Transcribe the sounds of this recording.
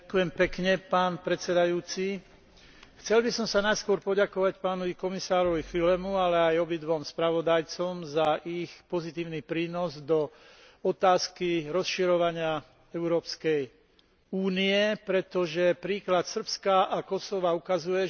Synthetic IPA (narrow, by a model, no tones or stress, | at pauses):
kujɛmpɛkɲɛpaːnpɾɛtt͡sɛd̪ajuːt͡si | xt͡sɛlbisɔmsanajskʊɔɾpɔɟakɔʋacpaːnɔʋikɔmisaːɾɔʋixilɛmualɛajɔbid̪ʋɔmspɾaʋɔd̪ajt͡sɔmzaʔixpɔzit̪iːʊnipɾiːnɔzd̪ɔ | ɔt̪aːskiɾɔsʃiɾɔʋaɲɪa | ɛʊɾɔːpskɛj | uːniɛpɾɛt̪ɔʒɛpɾiːklat̪sr̩pskaʔakɔsɔʋaukazujɛ